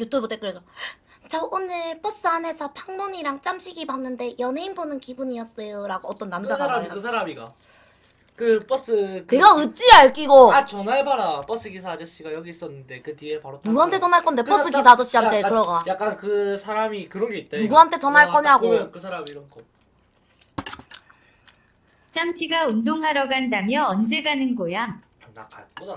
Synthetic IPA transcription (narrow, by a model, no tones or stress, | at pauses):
jut͈ʰobot͈ʰek͈ɯɾesʰʌ | t͡ɕaonɯɭp͈ʌs͈ɯane̞sʰʌpʰaŋmoɲiɾaŋt͡ɕ͈amɕʰiɡibanːɯnde̞jʌneinbonɯnkibuɲiʌs͈ʌjoɾaɡoʌt͈ʌnːamaɡaakɯsʰaɾamiɡa̰ | kɯp͈ʌs͈ɯkneɡaɯt͡ɕ͈iaɭk͈iɡoat͡ɕʌnaɭbaɾap͈ʌs͈ɯɡisʰad͡ʑʌɕ͈iɡajʌɡiːs͈ʌnːɯnde̞kɯtiepaɾonuɡuɦantʰe̞t͡ɕʌnɦaɭk͈ʌnde̞pʌɯkisʰad͡ʑʌɕ͈iɦamt͈ʰe̞kɯɾʌɡajak͈̚ankɯsʰaɾamikɯɾʌŋɡeit̚t͈enuɡuɦantʰe̞t͡ɕʌnɦaɭk͈ʌɲɦaɡokɯsʰaɾamiːɾʌnkʌm | t͡ɕ͈amɕʰiɡaundoŋɦaɾʌɡandamjʌʌnd͡ʑe̞ɡanɯnɡojam | na̰kaɭkoda